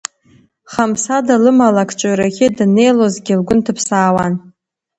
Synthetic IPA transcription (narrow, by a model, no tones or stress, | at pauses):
χamsadalɨmalakʰt͡ʃʷʼaɥɾakʲɪdne̞jlozɡʲɪlɡʷʊntʰɨpʰsaːwan